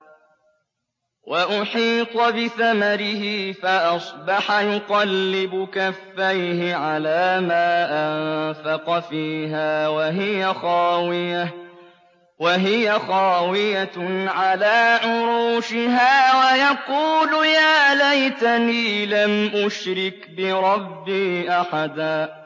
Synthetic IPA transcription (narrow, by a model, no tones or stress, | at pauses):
wʔaʔʊħiːt̪ˤɑbɪθamaɾɪhɪfaʔɑsˤbɑħajʊqɑlːɪbʊkafːajhɪʕalaːmaːʔafɑqɑfiːɦaːwaɦɪjaxɑːwɪja | waɦɪjaxɑːwɪjaʕalaːʕʊɾuːʃɪɦaːwajɑquːlʊjaːlajt̪aniːlamʔʊʃɾɪkbɪɾˤɑbːiːʔaħad̪aː